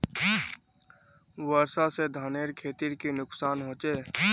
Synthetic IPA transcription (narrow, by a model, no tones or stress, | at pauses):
wəɾsased̪ʱaːneːɾkʰeːt̪iɾkinʊksaːnɦõːt͡ʃeː